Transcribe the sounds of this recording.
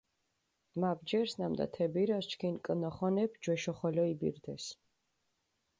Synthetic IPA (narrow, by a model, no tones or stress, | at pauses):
mab̚d͡ʒɛɾsnamd̪a̰t̪ʰɛbiɾast͡ʃkʰinkʼnɔχɔnɛpʰd͡ʒwɛʃɔχɔlɔibḭɾd̪ɛs